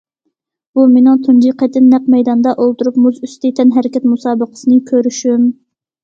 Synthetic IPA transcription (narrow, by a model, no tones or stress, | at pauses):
b̥umenɪŋt̪ʰund͡ʒiqʰɛt̪ʰɪnːɛq̚mɛjd̪ɑnd̪ɑʔolˠt̪uɾup̚muzyst̪ʰɪt̪ʰɛnɦɛɾɪkʲɛt̪musɑːbəqə̥sɨnɨkʲʰøɾyʃym